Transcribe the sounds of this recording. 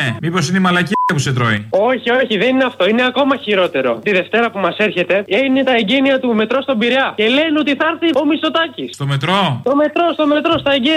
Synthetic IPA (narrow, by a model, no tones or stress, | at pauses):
mipo̞sineimɐlɐciɐpuset̪ɾoio̞çio̞çiðe̞nineɐft̪o̞ine̞ɐko̞mɐçiɾo̞t̪e̞ɾo̞̰t̪iðe̞ft̪e̞ɾɐpumɐse̞ɾçe̞t̪e̞enet̪ɐeɲɟeniɐt̪ume̞t̪ɾo̞st̪o̞biɾɐce̞lenot̪iθɐɾθio̞mist̪o̞t̪ɐcisst̪omet̪ɾot̪o̞me̞t̪ɾo̞st̪o̞me̞t̪ɾo̞st̪ɐeɲɟe